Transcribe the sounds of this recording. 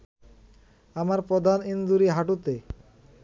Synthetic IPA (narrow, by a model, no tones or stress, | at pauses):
amaɾpɾɔd̪ʱanind̪uɾiɦaʈut̪e